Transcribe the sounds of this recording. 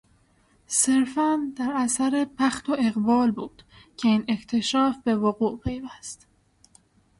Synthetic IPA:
se̞ɾfænd̪æɾæsæɾe̞pʰæxt̪ʰoe̞ɣbɒːlbuːd̪̥ | cʰe̞iːne̞ct̪ʰe̞ʃɒːfbe̞voɣuːʔpʰe̞jvæst̪

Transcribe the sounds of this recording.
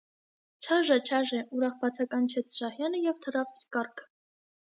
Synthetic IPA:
t͡ʃʰɑʒət͡ʃʰɑʒɛʔuɾɑχbɑt͡sʰɑkɑnt͡ʃʰɛt͡sʰʃɑhjɑnəjɛvt̪ʰəɾɑpikɑɾkʰə

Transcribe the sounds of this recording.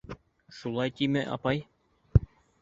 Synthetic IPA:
ʃulˠɑjt̪imɘʔɑ̰pɑj

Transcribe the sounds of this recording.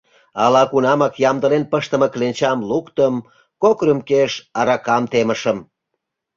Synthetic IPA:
ɑlɑkunɑmɑkjɑmd̪əlenpəʃt̪ə̆məklenʲt͡ɕɑmlukt̪əm | kokrymkeʃɑɾɑkɑmt̪eməʃəm

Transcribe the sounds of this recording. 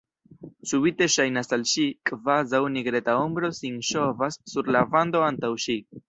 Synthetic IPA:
subite̞ʃajnasalʃikʼvazawniɡɾe̞tao̞mbɾo̞sinʃo̞vasːuɾlavando̞antawʃi

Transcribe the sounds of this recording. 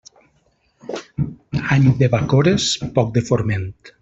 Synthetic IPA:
aɲd̪eβakoɾespɔk̚d̪efoɾment̪

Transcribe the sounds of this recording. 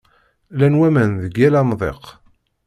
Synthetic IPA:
lænwæmænðəɡːælæmðˤḛq

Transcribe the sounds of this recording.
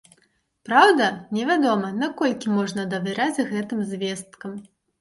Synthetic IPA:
pɾawd̪ɐnʲɛvʲad̪ɔmɐnakɔlʲkʲimɔʐnɐd̪ɐvʲɛɾad͡zʲɣɛt̪ɨmzʲvʲɛst̪kɐm

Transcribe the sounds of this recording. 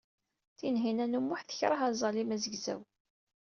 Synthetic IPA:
θinɦinænumːʊħθə̥çɾˤɑɦæzˤɑlimæzəɡzæ̰w

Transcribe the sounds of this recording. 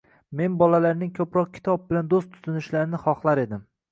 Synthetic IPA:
me̞nbɒlalaɾnɪŋkʲʰɵpɾɒq̚kʲʰɪ̥t̪ʰɒb̚bɪland̪ost̪ʰːʊ̥zʰɪnɪʃlaɾɪnɪχɒχlˠaɾe̞d̪ɪm

